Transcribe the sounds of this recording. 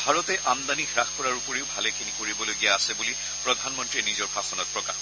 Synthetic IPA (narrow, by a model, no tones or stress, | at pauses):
bʱaɹɔtɛʔamd̪anixɹaxpɔɹaɹupoɹeʊbʱalɛkʰinikoɹibɔloɡijaːsɛbuli | pɹɔd̪ʱanmɔntɹinizɔɹpʰaxɔnɔt̚pɹɔka̰x